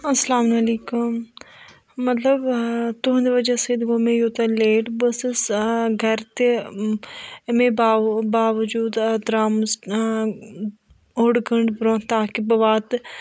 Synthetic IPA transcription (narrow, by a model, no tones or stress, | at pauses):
ɐslaːmnɐliːkʊm | mːɐt̪ləbt̪ʊɦnd̪iʋɐd͡ʒaseːd̪ɡoːmẽjot̪ɐleːʈbɐssɡʱɐɾt̪e | mẽabaːʋɐd͡ʒuːd̪d̪ɾaːms | oɽɡəɳɖbɾõːt̪aːkibɐʋaːt̪